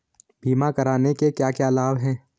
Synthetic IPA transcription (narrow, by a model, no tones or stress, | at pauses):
bʱiːmakɐɾaːnekekjaːkjaːlaːʋɦɛ̃ː